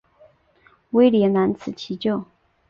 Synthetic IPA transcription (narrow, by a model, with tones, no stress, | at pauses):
we˥ɪljɛ˧˥na˧˥nt͡sʰɹ̩˨˩t͡ɕʰi˧˥t͡ɕjo˥˩ʊ